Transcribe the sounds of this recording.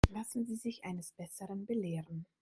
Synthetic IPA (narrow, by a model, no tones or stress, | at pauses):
lasn̩ziːzɪçʔaɪnəsb̥ɛsəʁənbəleːʁən